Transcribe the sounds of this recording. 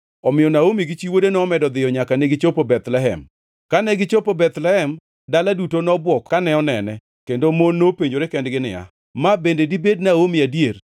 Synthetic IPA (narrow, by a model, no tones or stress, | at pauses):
ɔmɪjɔnaomiɡit͡ʃiwodenɔːmɛdɔd̪ɪjɔɲakanɪɡɪt͡ʃopobɛt̪lɛɦɛ̰m | kanɛɡɪt͡ʃopobɛt̪lɛhɛm | daladutonɔbwɔkkanɛɔnɛnɛ | kendomonːopeɲd͡ʒoɾekɛndɡɪnɪ̰ja̰ | mabendedibednaomiadjeɾ